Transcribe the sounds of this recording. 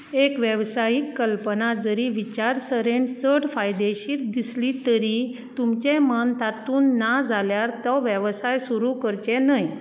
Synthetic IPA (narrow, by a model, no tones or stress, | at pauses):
ekʋjəʋsajikːəlpənad͡zəɾiʋit͡ɕaɾsəɾeɳsəɽfajd̪eɕiːɾd̪islit̪əɾit̪umt͡ɕẽmənt̪at̪uːnːad͡zʱaljaɾt̪ɔʋjəʋsajsuɾukəɾt͡ɕenəj